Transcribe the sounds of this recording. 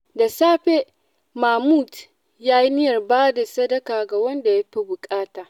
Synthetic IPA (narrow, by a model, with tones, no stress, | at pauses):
da˨saː˦ɸe˦ | maː˨muː˦˨t | jaː˦ji˦nɪ˦jɐ˨rbaː˦da˨sɐ˦dɐ˦kaː˨ɡa˨wɐ˦nda˨ja˦ɸi˦bʊ˨kʼaː˦taː˨ʔ